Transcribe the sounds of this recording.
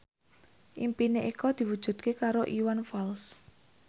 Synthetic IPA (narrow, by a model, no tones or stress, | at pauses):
ʔimpineʔikɔd̪̥i̤wud̥ʒ̥ṳd̪̥̚kekaɾoʔiwanfals